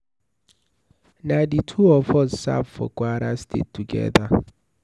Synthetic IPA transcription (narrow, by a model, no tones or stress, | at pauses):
naditʰuɔfɔzsa̰pfɔ̰kwaɾastʰḛtːuɡɛ̰ða